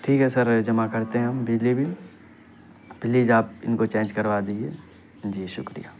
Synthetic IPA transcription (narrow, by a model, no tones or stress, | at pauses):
ʈʰiːkɦɛsɐɾd͡ʒɐmakɐɾt̪eɦɛ̃ɦɐmbɪd͡ʒlibʱi | bɪlid͡ʒaːp̚ɪ̰nkot͡ʃẽːnd͡ʒkɐɾʋad̪id͡ʒieː | d͡ʒiːʃʊkɾḭjaː